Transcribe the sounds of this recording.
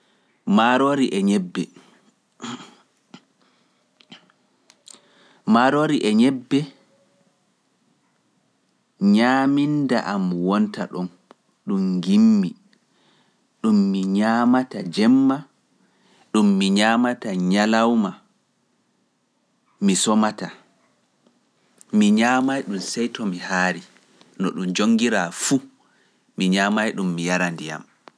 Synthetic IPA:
maɾoɾiʔɛɲɛbːɛ | maɾoɾiʔɛɲɛbːɛ | ɲaːminda̰ʔamwɔnta̰ɗɔm | ɗumɡimːi | ɗumːiɲaːmatad͡ʒɛmːa | ɗumːiɲaːmataɲalawma | misɔmata | miɲaːmajɗumsɛjtɔmihaːɾi | nɔɗumd͡ʒoŋːɡiɾafu | miɲaːmajɗumːijaɾandija̰m

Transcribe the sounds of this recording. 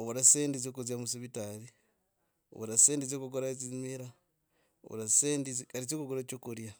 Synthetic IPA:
oβuɾaseːndizokuzjamusiβitaɾi | o̰βuɾaseːndizokukoɾazimiɾa | o̰βṵɾaseːndizikaɾit͡ʃokuɡoɾat͡ʃokuɾja

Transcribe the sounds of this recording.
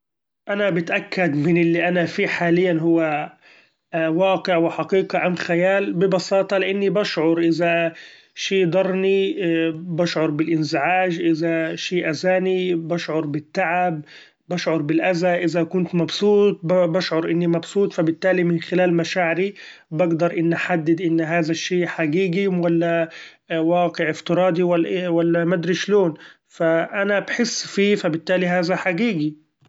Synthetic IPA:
ʔanabɪt̪ʔakːad̪mɪnɪlːiʔanafiːħaːlɪjːanɦʊwːa | wɑːqɪʕwɪħɑqiːqaʔamxajaːlbɪbɑsɑːt̪ˤɑlɪʔanːibaʃʕʊɾʔɪza | ʃiːd̪ˤɑɾˤni | bɑʃʕʊɾˤbɪlʔɪnzɪʕaːʒʔɪzaʃiːʔazaːnibɑʃʕʊɾˤbɪt̪ːaʕabː | aʃʕʊɾˤbɪlʔazaʔɪzakʊnt̪mɑbsˤuːt̪̚ˤbbaʃʕʊɾʔɪnːimɑbsˤuːt̪ˤfabɪt̪ːaːlimɪnxɪlaːlmaʃaːʕɪɾibɪɡd̪ɑɾˤʔɪnːʔaħad̪ːɪd̪ʔɪnːɦaːðaʃːeːħaɡiːɡiwalːa | wɑːqɪʕɪft̪ɪɾˤɑːd̪iwawalːamad̪ɾɪʃloːn | faʔanabħɪsːfiːfabɪt̪ːaːliɦaːzaħaɡiːɡi

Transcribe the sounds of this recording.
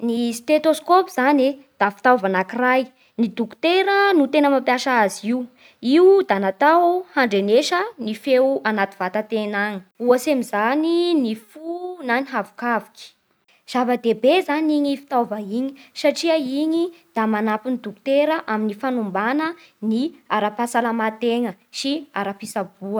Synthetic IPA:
nist̪et̪oskopiz̥aned̪̥afi̥t̪awvanakiraj | nid̪uku̥t̪eɾənut̪enəmampjaʃaaziiu | iud̪anat̪awhaɳɖ͡ʐeneʃənifewanat̪iv̥at̪at̪enaŋi̥uasemizaninifunaniɦavu̥kavikʲi̥ | z̥avəd̪ebezaniɲifi̥t̪avəiɲi̥saʈ͡ʂiəiɲid̪̥amanapinid̪uku̥t̪eɾəʔaminifanumbanəniaɾapasalamat̪eŋəʃiaɾapisab̥uə

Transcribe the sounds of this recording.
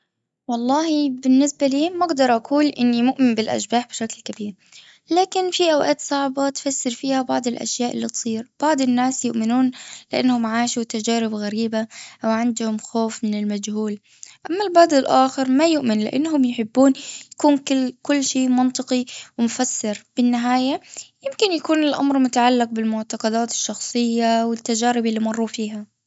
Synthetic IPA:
wɑlˤːɑːhibɪnːɪsbaliːmːaɡd̪ɑɾˤʔakʰuːlʔɪnːimʊʔmɪmbɪlʔa̰ʃbaːħbɪʃaklkabiːɾ | laːkɪnfiʔawʔaːt̪sˤɑʕbat̪fasːɪɾfiːhabɑʕd̪ˤɪlʔa̰ʃjaːʔɪ̰lːit̪sˤiːɾb̥ɑʕd̪ˤɪnːaːsjʊʔmɪnuːnlɪʔanːhʊmʕaːʃut̪ad͡ʒaːɾɪbɣaɾiːbaʔawʕɪnd̪hʊmxoːfmɪnɪlmad͡ʒhuːl | ʔamːalbɑːd̪ɪlʔaːxɪɾmajʊʔmɪnlɪ̰ʔa̰nːɦʊmjħɪbːuːnjakuːnkɪkʊlːʃeːmɑnt̪ˤɨqiwɪmʊfasːɪɾb̥ɪnːɪɦaːjajɪmkɪnjakuːnɪlʔa̰mɾmʊt̪aʕalːɪq̚bɪlmʊʕt̪ɑqɑd̪aːt̪ɪ̥ʃːɑxsˤɨjːawɪt̪ːad͡ʒaːɾɪbɪlːiːmɑrˤːuːfiːɦa

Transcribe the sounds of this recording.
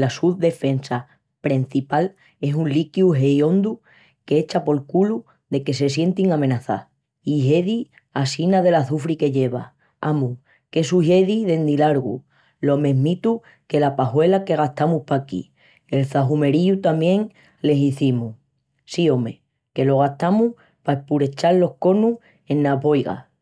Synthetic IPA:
lasuβðe̞fe̞nsa | pɾen̟θipal | e̞sunlikjuɦe̞jõ̞nd̪u | keet͡ʃapo̞lkulu | ðe̞ke̞se̞sje̞nt̪iŋamẽ̞naθa̰ | iɦe̞ði | asinaðe̞laθufɾike̞ʎe̞βa | amu | ke̞suʝeðiðe̞nd̪ilaɾɣṵ | lo̞mẽ̞ɦmit̪u | ke̞lapaɦwe̞lake̞ɣ̞aht̪amuhpakḭ | e̞lθaɦume̞ɾiut̪amjẽ̞ŋ | le̞siθimu | sio̞me̞̰ | ke̞lo̞ɣ̞aht̪amuh | pae̞puɾe̞t͡ʃallːo̞hko̞nuh | e̞nːaβo̞jɣa̰

